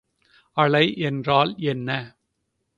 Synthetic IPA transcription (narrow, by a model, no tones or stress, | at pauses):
ɐɭɐɪʔɛndraːlɛnːɐ